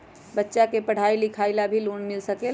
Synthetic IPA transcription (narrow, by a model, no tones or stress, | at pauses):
bətːʃakepəɽ̤aːilɪkʰaːɪlabʱiloːnmɪlsəke